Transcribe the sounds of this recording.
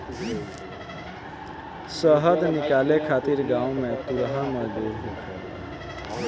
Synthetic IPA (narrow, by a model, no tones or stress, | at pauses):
səɦəd̪nikalekʰat̪iɾɡãũmet̪uɾɦaməd͡ʒd̪uɾɦokʰəl